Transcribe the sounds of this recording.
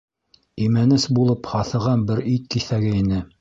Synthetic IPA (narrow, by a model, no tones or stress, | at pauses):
imænɘsbulˠɤphɑθɤ̆ʁɑnbɘɾit̪̚kiθæɡɘinɘ